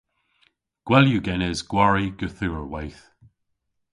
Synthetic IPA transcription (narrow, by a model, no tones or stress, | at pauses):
ɡ̥wɛljuɡɛnɪzɡwaɹiɡ̥əθuːɹwajθ